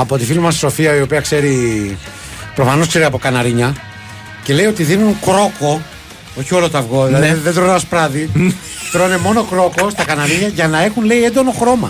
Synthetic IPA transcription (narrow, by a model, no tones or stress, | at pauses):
ɐpo̞t̪ifilimɐsso̞fiɐio̞piɐkse̞ɾi | pɾofɐnoskse̞ɾiɐpo̞kɐnɐɾiɲɐ | ce̞le̞jo̞t̪iðinunkɾo̞ko̞ | o̞çio̞lot̪ɐvɣo̞iðt̪ɾonɐspɾɐði | t̪ɾo̞ne̞mo̞no̞kɾo̞ko̞st̪ɐkɐnɐɾiɲɐʝɐnɐexunle̞ie̞nd̪ono̞xɾo̞mɐ̰